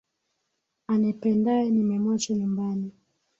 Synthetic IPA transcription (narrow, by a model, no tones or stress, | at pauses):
anipɛndaɛnimɛmɔt͡ʃɔɲumbani